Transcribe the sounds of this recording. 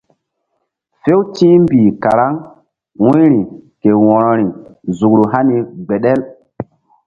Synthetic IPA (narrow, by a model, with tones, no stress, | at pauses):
fe˦wtĩː˦mbiː˨ka˨ɾa˦ŋ | wũ˦jɾi˨ke˨wɔ̃˨ɾɔ˨ɾi˨zu˨kɾu˨ɦa˦ni˨ɡ͡be˨ɗɛ˦l